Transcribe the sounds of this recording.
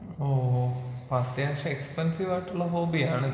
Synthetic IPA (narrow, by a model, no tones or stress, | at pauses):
opat̪eaɕãekspənsiʋʋaʈlɔɦobiaɳ̃